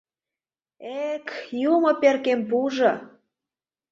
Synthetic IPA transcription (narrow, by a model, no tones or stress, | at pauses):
ekjumŏperkempuʒɤ̆